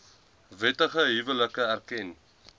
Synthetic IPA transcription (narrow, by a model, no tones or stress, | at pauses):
vɛtəχəɦivələkəærkɛn